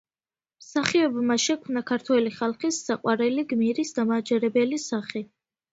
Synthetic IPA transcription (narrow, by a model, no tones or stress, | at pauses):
msaχiɔbmaʃɛkʰmnakʰaɾt̪ʰwɛliχalˠχisːaqʼwaɾɛliɡmiɾisd̪amaːd͡ʒɛɾɛbɛlisaχi